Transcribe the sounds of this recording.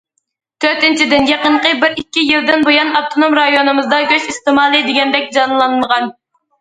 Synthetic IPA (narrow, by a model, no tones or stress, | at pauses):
t̪ʰøɾt̪ɪnt͡ʃʰid̪ɪnjɑqəɴqəbɪɾikʲːijilˠd̪ɪnbojɑnɑp̚t̪ʰonomɾɑjonɨmɨzd̪ɑɡʲøʃist̪ɨmɑːlˠɨd̪ɪɡʲɛnd̪ɛk̚ʲd͡ʒɑnlˠɑnməʁɑn